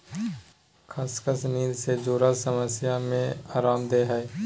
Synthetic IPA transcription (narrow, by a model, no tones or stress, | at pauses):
kʰaskəsniːlsed͡ʒoːɾasəməsjamẽaːɾaːmd̪eːɦɛː